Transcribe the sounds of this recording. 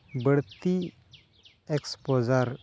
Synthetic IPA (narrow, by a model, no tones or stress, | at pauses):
bəɽt̪i | ekspɔd͡zaɾ